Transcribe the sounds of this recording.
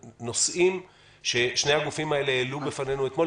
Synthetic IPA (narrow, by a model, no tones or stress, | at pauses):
no̞sʔim | ʃe̞ʃnehaɡufimaeleelubefanenuet̪mo̞